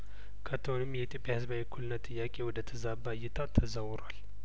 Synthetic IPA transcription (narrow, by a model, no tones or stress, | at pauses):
kʰət̪ʰːəhonɨmːjɛt̪ʰjo̞pʼjahɨzbawikʰulɨnːət̪ʼːɨjːakʼe̞wɔd̪ət̪ʰəzabajɪt̪ʰat̪ʰəzawɾal